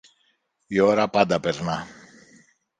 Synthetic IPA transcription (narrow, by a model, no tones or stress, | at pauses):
joɾapad̪apeɾna